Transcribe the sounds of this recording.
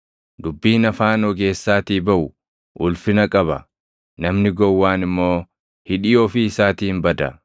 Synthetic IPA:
d̪ʊbːiːnɐfaːnɔɡe̞ːsːaːt̪iːbɐʔʊ | ʔʊlfɪnɐkʼɐbɐ | nɐmnɪɡɔwːaːnɪmːo̞ː | hɪᶑɪjoːfɪɪsaːt̪iːnbɐd̪ɐ

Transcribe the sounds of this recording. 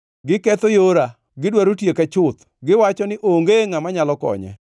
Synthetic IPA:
ɡɪkɛt̪ojoɾa | ɡɪdwaɾotjekɛt͡ʃʊt̪ | ɡɪwat͡ʃɔnɪʔoŋɡeŋamaɲalɔkɔ̰ɲɛ̰

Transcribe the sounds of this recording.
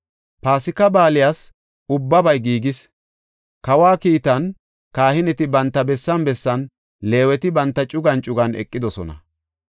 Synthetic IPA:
paːsɪkːɐbaːlɪjaːs | ʊbːɐbɐjɡiːɡɪs | kɐwaːkiːt̪ɐn | kaːhɪnɛt̪ɪbɐnt̪ːɐbɛsːɐnbɛsːɐn | le̞ːwɛt̪ɪbɐnt̪ːɐt͡ʃʼʊɡɐnt͡ʃʼʊɡɐnɛ̰kʼːɪd̪ɔsɔ̰nɐ̰

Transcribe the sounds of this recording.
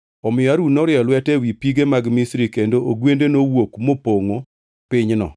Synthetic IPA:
ɔmɪjɔaɾunɔɾɪɔlwɛtɛwipiɡemaɡmisɾikendoʔoɡwendenowokmopoŋo | pɪɲnɔ̰

